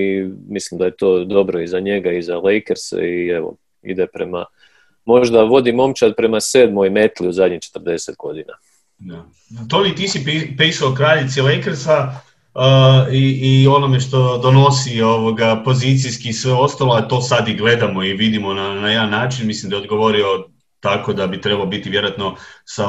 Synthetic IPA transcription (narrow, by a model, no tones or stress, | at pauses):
imislimd̪ajet̪o̞ːd̪o̞bɾo̞izaɲe̞ɡaizale̞jkeɾsḛieʋo̰ | ḭd̪epɾe̞ma̰ | mo̞ʒd̪aʋo̞d̪imo̞mt͡ʃat̪pɾe̞mase̞ːd̪moime̞t̪liuzad̪ɲit͡ʃe̥t̪rd̪e̞se̞t̪ɡo̞d̪ina̰ | d̪a | t̪omit̪isiipiːsaokɾaːʎit̪silejkeɾsa | əiːo̞nomeʃt̪o̞d̪o̞no̞sioʋoɡapo̞zit̪sijskisʋeo̞st̪aloat̪o̞ːsad̪iɡle̞d̪amo̞iʋid̪imo̞nanajeanːaːt͡ʃinmislimd̪ajeod̪ɡoʋo̞ɾio̞ | t̪ako̞d̪abit̪ɾebalobit̪iʋje̞ɾoat̪no̞sa